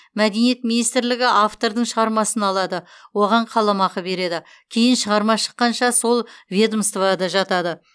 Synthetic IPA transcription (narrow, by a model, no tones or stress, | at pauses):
mæd̪e̞nije̞t̪̚minijst̪ɪɾlɪɡʲɪʔaft̪o̞ɾd̪əɴʃəʁɑɾmɑsənɑlˠɑd̪əwo̞ʁɑɴqʰɑlˠɑmɑqəbe̞ɾe̞d̪ɪ | kʲʰejɪnʃəʁɑɾmɑʃə̥qːɑnʃɑso̞lˠvʲed̪əmst̪vad̪ɑʒɑt̪ɑd̪ə